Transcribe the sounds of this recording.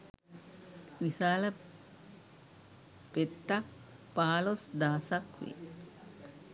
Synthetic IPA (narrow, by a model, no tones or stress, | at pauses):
ʋisaːlə | pet̪ːak̚paːlosd̪aːsakʋḛ